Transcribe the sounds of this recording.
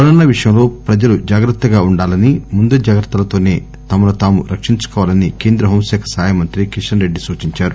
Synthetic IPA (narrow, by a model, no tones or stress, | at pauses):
ɐɾɐnːɐʋiʂɐjɐmlo̞ːpɾɐd͡ʒɐlud͡ʒaːɡɾɐt̪ːɐɡaːuɳɖaːlɐnimund̪ud͡ʒaːɡɐɾt̪ːɐlɐt̪o̞ːne̞ː | t̪ɐmɐlut̪aːmuɾʔɐkʂiɲt͡ʃu̥kɔːʋalɐnike̞ːnd̪ɾɐɦoːmsɛːkʰɐ̥saːjɐmɐnt̪ɾikiʂʈɐnɾe̞ɖːisuːt͡ʃiɲt͡ʃaːɾu